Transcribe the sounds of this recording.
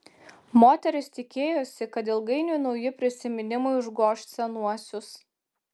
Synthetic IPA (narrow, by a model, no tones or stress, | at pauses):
moːt̪ʲɛɾʲɪst̪ʲɪkʲeːjoːsʲɪkɐt̪̬ɪlˠɡɐɪnʲunɒʊjɪpʲɾʲɪsʲɪmʲɪnʲɪmʊɪʊʒɡoːʃt̪ʲsʲɛnuɔsʲʊs